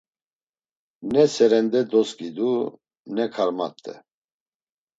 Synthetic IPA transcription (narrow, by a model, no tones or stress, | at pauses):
nɛsɛɾɛnd̪ɛd̪ɔskid̪u | nɛkʰaɾma̰t̪ʼːɛ̰